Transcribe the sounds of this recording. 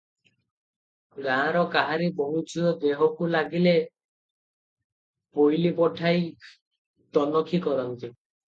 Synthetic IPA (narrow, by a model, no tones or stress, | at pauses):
ɡãɾɔkaɦaɾibɔɦut͡ʃiɔd̪eɦɔkulaɡile | pojlipɔʈʰaj | t̪ɔnɔkʰikɔɾɔnt̪i